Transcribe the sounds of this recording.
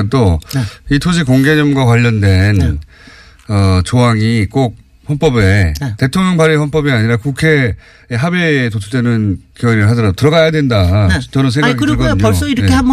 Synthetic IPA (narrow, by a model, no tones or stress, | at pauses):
t͈oitʰoɕ̬ʰikoŋɡed͡ʑʌmɡwakwaʎːʌndwe̞n | ʌt͡ɕoɦaŋik͈ok̚ | ɸʌnp͈ʌbete̞tʰoŋɲjʌŋpaɾihwʌnp͈ʌbiaɲiɾakukʰe̞ː | ɦabetot͡ɕʰudwenɯnkeʌɾɾɯɭɦadʌɾadotɯɾʌɡajadwe̞ndat͡ɕʌɾʌns̬ʰeɡaɡiɭk͈ʌdɯɲos͈oiɾʌekʰea